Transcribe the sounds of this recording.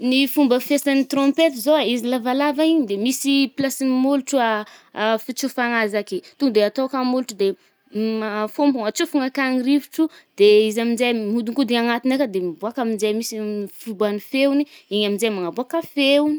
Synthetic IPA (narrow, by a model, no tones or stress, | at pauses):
nifumbəfesanit̪rõmpet̪izoaizilavalavaiɲd̪emisiplasimulʈ͡ʂua | fit͡sufanazaket̪uɡd̪eat̪okamuluʈ͡ʂud̪e | mafompuŋat͡sufuŋakanirivi̥ʈ͡ʂud̪̥eizaminzajmud̪uŋkud̪iaŋat̪inakəd̪embuakaminzajmisifubanifeuniiɲaminzajmaŋabuakafew